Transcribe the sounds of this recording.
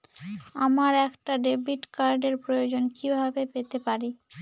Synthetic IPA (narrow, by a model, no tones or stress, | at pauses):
amaɾɛkʈaɖebiʈkaɾɖeɾpɾojod͡ʑonkibʱabepet̪epaɾi